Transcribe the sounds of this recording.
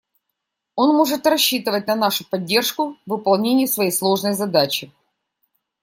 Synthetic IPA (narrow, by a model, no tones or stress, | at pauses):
o̞nmo̞ʐɨt̪rɐɕːit̪ɨvət̚ʲnɐnaʂʊpɐdʲːe̞rʂkʊvɨpɐlˠnʲenʲɪjʊsvɐjejslˠo̞ʐnəjzɐd̪at͡ɕɪ